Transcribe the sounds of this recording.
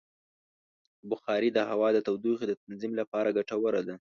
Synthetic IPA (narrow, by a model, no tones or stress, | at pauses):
bʊxɑɾid̪əhawɑd̪ət̪awd̪uxed̪ət̪anzimlapɑɾaɡaʈawəɾad̪a